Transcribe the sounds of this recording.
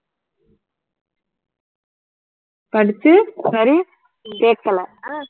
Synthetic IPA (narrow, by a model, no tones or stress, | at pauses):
pɐɽɪt͡ʃːɯsɐɾi | keːkːɐlɐ